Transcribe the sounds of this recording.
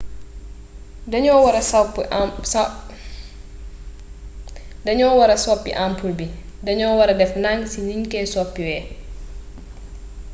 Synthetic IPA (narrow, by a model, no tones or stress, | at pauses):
ɐɲɔwɾɐsp | dɐɲɔːwɐɾɐsɔpːḭʔampulbidɐɲɔːwɐɾɐdɛfnaŋɡsiniɲkɛːsɔpːiwɛː